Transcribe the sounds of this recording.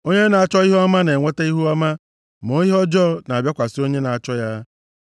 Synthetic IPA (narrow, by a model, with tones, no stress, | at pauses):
o˦ɲe˦na˨a˨t͡ʃɔ˦i˦ɦu˦a˦ma˦ne˨ŋʷe˦te˦i˦ɦu˦a˦ma˦ | mo˨˦i˦ɦɔ˦d͡ʒɔ˦˨na˨bʲja˦kʷa˨si˦o˦ɲe˦na˨a˨t͡ʃɔ˦ja˦